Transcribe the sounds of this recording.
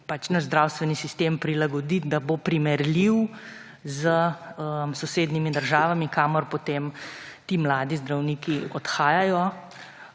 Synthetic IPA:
pat͡ʃnazd̪ɾaːwst̪ʋɛnisist̪eːmpɾilaɡɔd̪it̪d̪abopɾimɛɾliw | zəəmsɔseːd̪nimid̪əɾʒaːʋamikaːmɔɾpɔt̪eːmt̪iːmlaːd̪izd̪ɾawniːkiɔt̪xaːjajɔ

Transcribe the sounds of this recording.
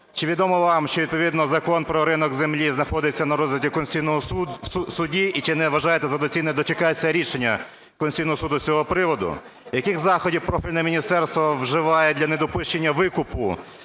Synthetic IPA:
t͡ʃɪʋʲid̪ɔmɔʋɑmʃt͡ʃɔʋid̪pɔʋʲid̪nɔzɐkɔnpɾɔɾɪnɔɡzemlʲiznɐxɔd̪ɪt͡sʲːɐnɐɾɔzʋɪtʲikɔnsʲijnɔɦɔsʊdʲiit͡ʃɪnɛʋɐʒɑjet̪ɛzɐd̪ɔt͡sʲinɛd̪ɔt͡ʃekɑjet͡sʲːɐɾʲiʃenʲːɐ | kɔnʲsʲijnɔɦɔsud̪ʊt͡sʲɔɦɔpɾɪʋɔd̪ʊ̰ | jɐkɪxzɑxɔdʲiwpɾɔfʲilʲnɛmʲinʲist̪ɛrst̪ʋɔwʒɪʋɑjɛd̪lʲɐned̪ɔpʊʃt͡ʃenʲːɐʋɪkʊpʊ̰

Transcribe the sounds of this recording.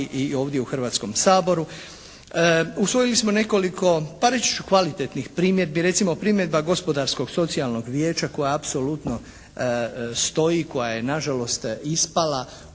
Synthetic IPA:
ʔio̞ːʋd̪jeuxrʋaːt̪sko̞msaːbo̞ɾu | usʋo̞jilismo̞ne̞ko̞likʰo̞paɾet͡ʃi̥t͡ʃu̥kʋalit̪et̪nixpɾiːmje̞d̪̚biɾe̞t̪simo̞pɾiːmjed̪̚baɡo̞spo̞d̪aɾsko̞ɡso̞t̪sialno̞ɡʋje̞ːt͡ʃako̞jaapso̞lut̪no̞ | st̪o̞iko̞jaje̞naʒalo̞st̪ispala

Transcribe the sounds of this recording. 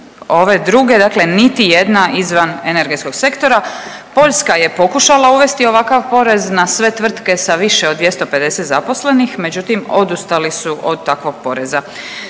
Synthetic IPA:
o̞ʋe̞d̪ɾuɡe̞d̪akle̞nit̪ije̞d̪naʔizʋanene̞ɾɡet̪ko̞ɡ̥se̞kt̪o̞ɾa | po̞ʎʲskaje̞po̞kuʃalauʋe̞st̪io̞ʋakaʋpo̞ɾe̞znasʋe̞t̪ʋr̩t̪ke̞saʋiʃeod̪d̪ʋjest̪o̞pe̞d̪e̞set̪zapo̞sle̞nixme̞d͡ʑut̪imo̞d̪ust̪alisuʔo̞d̪̚t̪ːakʋo̞ɡ̥̚po̞ɾe̞za

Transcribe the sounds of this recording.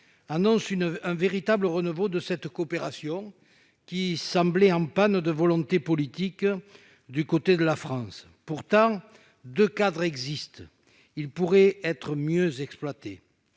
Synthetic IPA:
anɔ̃synɛ̃veʁit̪abləʁənuvod̪əsɛt̪koːpeʁasjɔ̃ | kʲisɑ̃blɛɑ̃pand̪əvɔlɔ̃t̪epɔlit̪ik | d̪ykot̪ed̪əlafχɑ̃s | puʁt̪ɑ̃ | d̪økad̪ʁɛɡzist̪ | ilpuʁɛɛt̪χəmjøzɛksplwat̪ḛ

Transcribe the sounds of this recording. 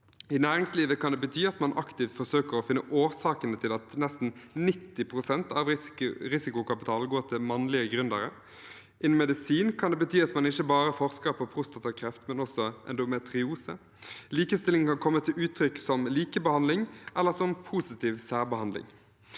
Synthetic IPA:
ɪnæːɾɪŋsliːʋəkʰɑnd̪ɛːbət̪ʰyːɑt̪mɑnʔɑkt̪ɪft̪fɔʁsøːkəɾɔfɪnːəʔoːʁsɑːkənət̪ʰɪlɑt̪nɛst̪n̩nɪt̪ːɪpʰʁʊsɛnt̪ɑʋɾɪsɪkʊkɑpɪt̪ʰɑːlɡoːt̪ʰɪlmɑnlɪəɡɾʉnd̪əɾə | ʔɪnmɛd̪ɪsiːnkʰɑnd̪ɛːbət̪ʰyːɑt̪mɑnɪçəbɑːɾəfɔʁskəɾpʰɔpʰʁʊst̪ɑt̪ɪʋkʰɾɛft̪mɛnɔsɔʔɛ̰nd̪ʊmɛt̪ɾɪuːsə̰ | liːkəst̪ɪlɪŋkɑnkʰɔmːət̪ʰɪlʉːt̪ʰɾʏksɔmliːkəbəhɑnd̪lɪŋʔɛlːəsɔmpʰuːsɪt̪iːʋsæːʁbəhɑnd̪lɪ̰ŋ

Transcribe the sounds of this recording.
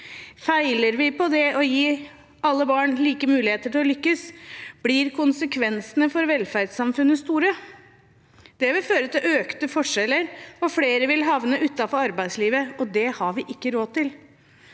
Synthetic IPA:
fæɪləɾʋɪpɔd̪ɛʔɔjiː | ɑlːəbɑːɳliːkəmʉːlɪeːt̪əʈʰɪlɔlʏkːəsb̥liɾkʰʊnsəkʰʋɛnsənəfɔɾʋɛlfæɾɖsɑmfʉnːəst̪uːɾə | d̪̥ɛʋɪlføːɾət̪ʰɪlʔøːkt̪əfɔʂɛlːəɾɔfleːɾəʋɪlɦɑʋnəʔʉːt̪ːɑfɔɾɑɾbæɪsliːʋəɔd̪ɛhɑɾʋɪʔɪkːəɾoːd̚t̪ːɪl

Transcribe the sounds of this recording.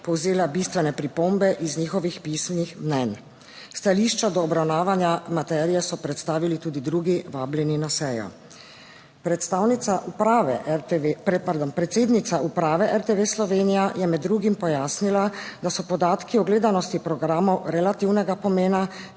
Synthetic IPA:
pɔwzeːlabist̪ʋɛnɛpɾipombɛʔizniːxɔʋixpismnixmnɛn | st̪aliʃt͡ʃad̪ɔːbɾawnaːʋanjamat̪ɛːɾijɛsɔpɾɛt̪st̪aːʋilit̪uːd̪id̪ɾuɡiʋaːbljɛninasɛːjɔ̰ | pɾɛt̪st̪aːwnit̪saʔupɾaʋɛ | pɛɾd̪ɔmpɾɛt̪seːd̪nit̪saʔupɾaːʋɛʔɛɾt̪eʋeslɔʋeːnijajɛmɛd̪ːɾuːɡimpɔjaːsnilad̪asɔpɔd̪aːt̪kiɔɡleːd̪anɔst̪ipɾɔɡɾaːmɔwɾɛlat̪iwnɛɡapɔmeːna

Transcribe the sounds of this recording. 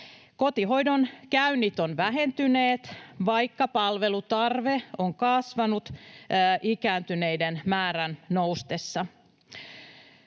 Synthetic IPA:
ko̞t̪iɦo̞jdonkæynːit̪onʋæɦe̞nt̪yneːt̪ʋɑjkːɑpɑlʋe̞lut̪ɑrʋeoŋkɑsʋɑnut̪ːʔikæːnt̪yne̞jdenmæːɾænnowst̪esːɑ

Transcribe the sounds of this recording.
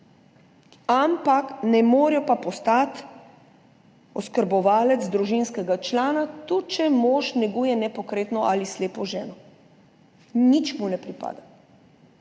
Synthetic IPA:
ampaknɛmoːɾijɔpapɔst̪at̪ | ɔskəɾbɔʋaːlɛt̪zd̪ɾuʒinskɛɡat͡ʃlaːnat̪ut͡ʃɛmɔːʃnɛɡujɛnɛpɔkɾeːt̪nɔʔalisleːpɔʒɛːnɔ | nit͡ʃmunɛpɾipa̰ːd̪a

